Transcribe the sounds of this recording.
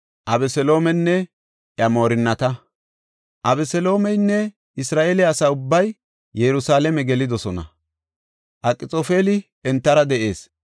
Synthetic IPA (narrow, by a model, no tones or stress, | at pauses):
ʔɐbɛsɛlo̞ːmɛnːɛ | ʔɐmoːɾɪnːɐt̪ɐ | ʔɐbɛsɛlo̞ːmɛjnːɛ | ɪsɾaːʔeːlɪɐsaːʊbːɐjː | ɛɾʊsaːlɛmɛɡɛlɪd̪ɔsɔnɐ̰ | ʔɐkʼːɪt͡sʼoːfeːlɪ | ɛnt̪ːɐɾɐd̪ɛʔe̞ːs